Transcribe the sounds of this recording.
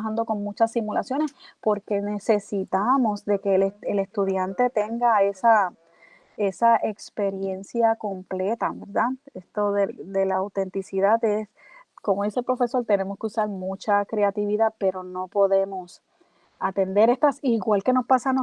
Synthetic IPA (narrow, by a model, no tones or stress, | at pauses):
ɦand̪o̞ko̞ŋmut͡ʃasːimulasjo̞ne̞spo̞ɾke̞ne̞se̞sit̪amo̞sd̪e̞ke̞lele̞st̪uðjant̪e̞t̪e̞ŋɡae̞sa | e̞saʔe̞kspe̞ɾje̞nsjako̞mple̞t̪aβe̞ɾðae̞st̪o̞ðed̪e̞laːwt̪e̞nt̪isiðaðe̞s | komo̞ðiselpɾo̞fe̞so̞ɾt̪e̞ne̞mo̞skeusaɾmut͡ʃakɾe̞at̪iβiðape̞ɾo̞no̞po̞ðe̞mo̞s | at̪e̞nd̪e̞ɾe̞st̪asiɣwalke̞no̞spasano